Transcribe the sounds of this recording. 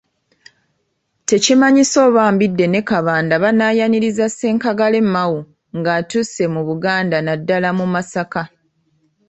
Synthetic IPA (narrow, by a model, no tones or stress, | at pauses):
te̞cimaɲiso̞ːβaːmbidːe̞ne̞kaβaːndaβanaːjaniɾizase̞ːŋkaɡale̞mːawu | ŋɡaːtuse̞muβuɡaːndanadːalamumasaka